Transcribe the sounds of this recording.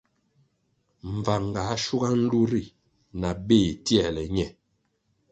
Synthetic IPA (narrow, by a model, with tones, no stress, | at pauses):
ɱ̩˨va˨ŋɡa˨˦ʃu˦ɡa˦n̩˦du˦ɾi˦˨ | na˨be˦˨tjɛ˨lɛ˨ɲɛ˨